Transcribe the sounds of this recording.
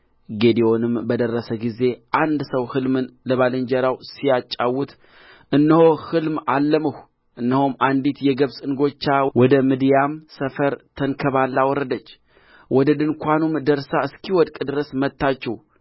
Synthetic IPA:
ɡe̞d̪iwo̞nɨmbəd̪ərːəsəɡize̞ʔand̪səwhɨlmɨnləβalɨɲd͡ʒəɾawsijat͡ʃʼːawːut̪ | ʔɨnːəho̞hɨlmalːəməh | ʔɨnːəhomand̪it̪jɛɡəβsʼɨnɡo̞t͡ʃːawɔd̪əmɨd̪jamsəfəɾt̪ʰəŋkʰəβalːawɔɾːəd̪ət͡ʃː | wɔd̪əd̪ɨnkʷanumd̪əɾsaɨskʰiwɔd̪kʼɨd̪ɨɾəsmət̪ːat͡ʃːɛw

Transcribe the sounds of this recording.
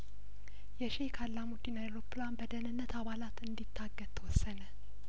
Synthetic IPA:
jɛʃekʰalːamud̪inaeɾopʰːlanbəd̪ənɨnːət̪ʰaβalat̪ɨnd̪it̪ʰːaɡːəd̪̚t̪ʰəwɔsːənə

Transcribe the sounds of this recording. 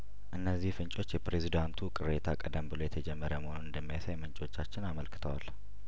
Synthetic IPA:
ʔɨnːəzːihfɨnt͡ʃʼo̞t͡ʃːjɛpɾe̞zid̪ant̪ʰukʼɨɾet̪ʰakʼəd̪əmbɨlo̞jɛt̪ʰɛd͡ʒɛmːəɾəməhonunɨnd̪əmːijasajmɨnt͡ʃʼo̞t͡ʃːat͡ʃːɪnaməlkʰɨ̥t̪ʰəwa̰l

